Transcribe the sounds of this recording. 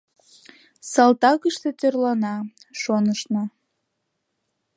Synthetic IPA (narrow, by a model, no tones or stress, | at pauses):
sɑlt̪ɑkəʃt̪et̪ørlɑnɑʃonəʃno